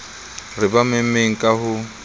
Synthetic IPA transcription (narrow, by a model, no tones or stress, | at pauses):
rɪbamemeŋ̩kʼahʊ